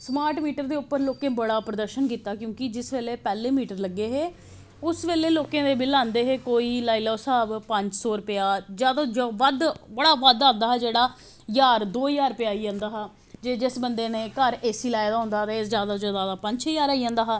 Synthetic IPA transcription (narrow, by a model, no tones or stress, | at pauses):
smaːɾʈmiːʈəɾd̪eːʊpːəɾloːkẽːbəɽaːpɾəd̪əɾʃənkiːt̪aːkjõːkɪd͡ʒɪsʋeːleːpɛːleːmiːʈəɾləɡːeːɦeː | ʊsʋeːleːloːkẽːd̪eːbɪlãːnd̪eːɦeːkoːiːlaːiːlaːsaːbpəɲd͡ʒsɔːɾəpɪjaːzjaːd̪aːd͡ʒoːʋəd̪bəɽaːʋəd̪ãːnd̪aːɦɛːd͡ʒeːɽaː | jaːɾd̪oːjaːɾpɪjaːiːd͡ʒãːnd̪aːɦaː | d͡ʒeːd͡ʒɪsbənd̪eːneːkəɾeːsiːlaːɪd̪aːɦʊ̃nd̪aːt̪ːɪsd͡ʒjaːd̪aːzjaːd̪aːd̪aːpə̃ɲd͡ʒt͡ʃʰejaːɾaːid͡ʒãːnd̪aːɦː